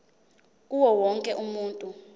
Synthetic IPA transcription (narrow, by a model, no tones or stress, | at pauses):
k̬uwɔwɔŋkʼɛʔumuːntʼu